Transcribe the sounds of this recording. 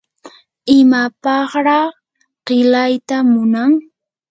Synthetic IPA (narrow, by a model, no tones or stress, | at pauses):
ɪmapɑχɾɑχ | ɢ̥ɪlajt̪amʊnaŋ